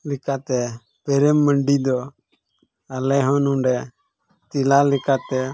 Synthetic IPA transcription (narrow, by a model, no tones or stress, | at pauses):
likat̪ɛ | pɛɾɛmːəɳɖid̪ɔ | alɛɦɔnuɖɛ | t̪ilalikat̪ɛ